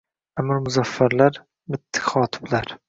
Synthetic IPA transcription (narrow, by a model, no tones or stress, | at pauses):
amɪɾmʊzafːaɾlaɾ | mɪt̪ʰːɪ̥χɒːt̪ʰɪ̥blaɾ